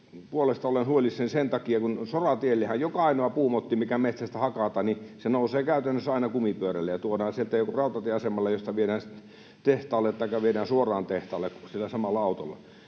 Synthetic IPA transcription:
puolest̪ɑolenhuolʲissensent̪ɑkiɑkunsorɑt̪ielːehæjjokɑɑinoɑpuːmot̪ːimikæmet̪sæst̪æhɑkɑt̪ɑnisenouseːkæˑyt̪ænːøsɑˑinɑkumipyøɾælːejɑt̪uodɑːnsielt̪æjokorɑˑut̪ɑt̪ieɑsemɑlːɑjost̪ɑʋieɾæːn | t̪eht̪ɑːlːet̪t̪ɑikːɑʋieɾæːnsuorˑɑːnt̪eht̪ɑːlːekkusielːæsɑmɑlːɑɑut̪o̰lːɑ̰

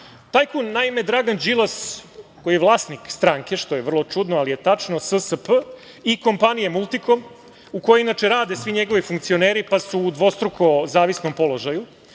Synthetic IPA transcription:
t̪ajkunːaime̞d̪ɾaɡand͡ʒilˠaskojijeʋlˠaːsnikst̪ɾaːŋke̞ʃt̪oje̞ʋr̩lˠo̞t͡ʂud̪noalije̞t̪at͡ʂnosəsəpə | iko̞mpanijemulˠt̪iko̞m | ukojeinat͡ʂeɾaːd̪esʋiɲe̞ɡo̞ʋifuŋk̚t̪sio̞neːɾipasuːd̪ʋo̞st̪ɾukʰo̞zaːʋisnompo̞lˠo̞ʒaju

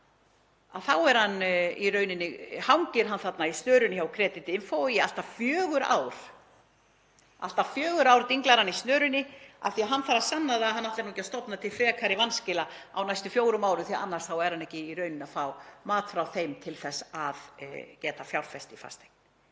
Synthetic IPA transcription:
aðθawɛɾhanːirœːɥnɪnːɪhawɲcɪɾ̥ɦanθat̪naist̪œːɾʏnɪçawkʰɾɛːt̪ɪt̪ɪnfowjal̥t̪afjœːɣʏɾa̰ːwɾ̥ | a̰l̥t̪afjœːɣʏɾawɾt̪iŋklaɾanːist̪nœːɾʏnːɪa̰θiaɦanːθaɾasanːaðaɦanːaht̪aɾnucɛst̪ɔpnat̪ʰɪlfɾɛːkʰaɾɪvanscɪlaa̰wnajst̪ʏfjoːwɾʏmaːwɾʏmθiaanːarsθawɛɾhanːɛhcɪiɾœɥnɪnafawmaːt̪fɾawθejmt̪ʰɪlθɛsːaðcɛːt̪afjawlfɛst̪ifa̰st̪e̥kn

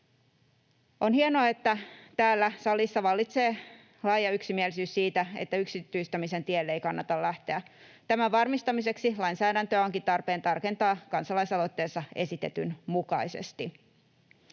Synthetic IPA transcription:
ʔo̞nhienoɑe̞t̪ːæt̪æːlːæsɑlisːɑʋɑlːit̪se̞ː | lɑjɑyksimielisyːssiːt̪æḛt̪ːæyksit̪ːyist̪æmise̞nt̪ielːeikɑnːɑt̪ɑllæht̪eæ | t̪æmæʋɑrmist̪ɑmise̞ksilɑinsæːdænt̪øæo̞ŋkit̪ɑrpe̞ːnt̪ɑrke̞nt̪ɑːkɑnsɑlɑisɑlo̞t̪ːe̞ːsːɑe̞sit̪e̞̰t̪ynmukɑise̞̰st̪i

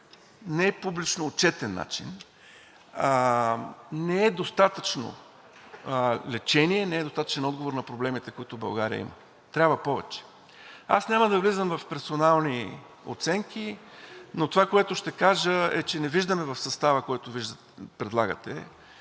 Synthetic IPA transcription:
nɛɛpublit͡ʃnoːt̪t͡ʃɛt̪ɛnːa̰t͡ʃḭn | nɛɛd̪ost̪at̪ət͡ʃno̰ | lɛt͡ʃɛniɛnɛɛd̪ost̪at̪ə̥t͡ʃɛnɔd̪ɡovoɾnɐpɾoblɛmit̪ɛkoit̪ʊbɐ̰lˠɡaɾiə̰ḭmə̰ | t̪ɾʲabvəpɔvɛ̰t͡ʃɛ̥ | a̰snʲaməd̪ɐvlizəmvɐfpɛɾsonalˠni | o̰t̪sɛŋkinot̪ovakoɛt̪ʊʃt̪ɛkaʒəɛ̰t͡ʃɛnɛviʒd̪əmɛvɐfsɐst̪avəkoɛt̪ʊviʒd̪ə | pɾɛd̪lˠaɡə̰t̪ɛ̰

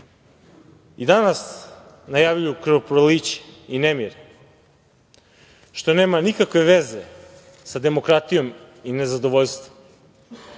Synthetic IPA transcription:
id̪anas | najavʎujukɾopɾolit͡ɕe̥inemiɾe | ʃt̪o̞neːmanikakʋe̞ʋeze | sad̪e̞mokɾat̪ijo̞m | ine̞zad̪o̞ʋoʎʲst̪vom

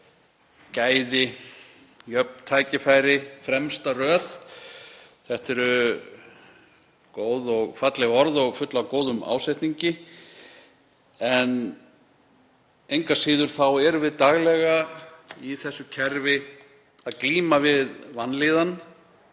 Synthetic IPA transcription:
caːjðɪ | jœp̚n̥t̪ʰaːjcɪfaːjɾɪfɾɛmst̪arœːθ | θɛht̪ɛɾʏ | koːwðɔɣfat̪lɪɣɔɾðɔɣfʏt̪lawkoːwðʏma̰ːwsajht̪niɲcɪ | ɛn | ejŋkasiːðʏɾ̥θawɛɾvɪðt̪aɣlɛɣaiθɛsːʏcʰɛɾvɪ | aðkliːmavɪðvanːliːðan

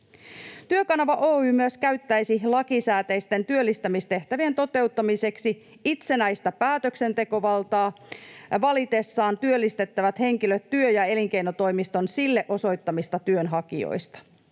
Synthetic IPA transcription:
t̪yøkɑnɑʋɑʔoːyːmyøskæɥt̪ːæjsilɑkisæːt̪ejst̪e̞nt̪yølːist̪æmist̪e̞ht̪æʋient̪o̞t̪e̞wt̪ːɑmise̞ksi | it̪se̞næjst̪æpæːt̪økse̞nt̪e̞ko̞ʋɑlt̪ɑːʋɑlit̪e̞sːɑːnt̪yølːist̪e̞t̪ːæʋæt̪he̞ŋkiløt̪ːyøjɑe̞liŋk̟e̞jnot̪o̞jmist̪o̞nsilːe̞ʔo̞so̞jt̪ːɑmist̪ɑt̪yønɦɑkio̰jst̪ɑ̥

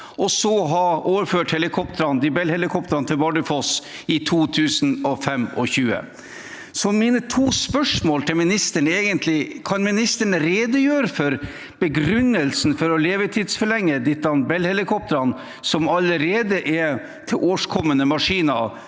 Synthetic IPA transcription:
ʔɔsɔɦɑoːʋəɾføːʈhɛlɪkʰɔp̚t̪əɾɑnd̪ɪbɛlhɛlɪkʰɔp̚t̪əɾɑnt̪ʰɪlbɑɖɪfɔs | ɪt̪ʰuːt̪ʰʉːsn̩ɔfɛmɔ̰çʉːə̰ | sɔmiːnət̪ʰuːspœʂmoːlt̪ʰɪlmɪnɪst̪əɳeːɡənt̪ʰlɪkʰɑnmɪnɪst̪əɳəɾeːd̪əjøːɾəfɔɾ | b̥əɡɾʉnːəlsn̩fɔɾɔleːʋət̪ʰiːd̪sfɔɭɛŋːəd̪ɪt̪ːɑnbɛlhɛlɪkʰɔp̚t̪əɾɑn | sɔmɑləɾeːd̪əʔɛ | t̪ʰɪʔoːʂkʰɔmːənəmɑʂiːnɑ

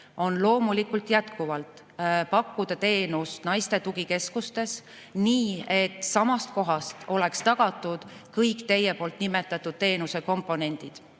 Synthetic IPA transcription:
o̞nlo̞ːmulikˑult̪jæt̪kuvɑlt̪ˑ | pɑkːud̪̥ɑt̪e̞ːnust̪nɑjst̪e̞t̪uɡ̥ike̞skust̪e̞s | niːe̞t̪sɑmɑst̪̚ko̞ɦɑst̪o̞le̞kst̪ɑɡ̥ɑt̪ːˑud̪̥kɤjkt̪e̞jːe̞po̞ːlt̪nimet̪ːˑɑt̪ːˑud̪̥̚t̪e̞ːnuse̞ko̞mpˑo̞ne̞nʲd̪̥id̪̥

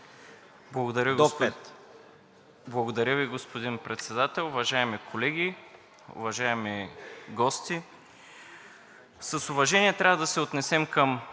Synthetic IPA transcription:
blˠɐɡod̪ɐɾʲəɡt̪ | blˠɐɡod̪ɐɾʲəviɡospod̪inpɾɛt̪sɛd̪at̪ɛlˠʊvɐʒaɛmikʰolɛɡʲi | ʊ̰vɐʒaɛmiɡɔst̪i | sɐsʊvɐʒɛniɛt̪ɾʲavəd̪ɐsɛot̪nɛsɛmkɐm

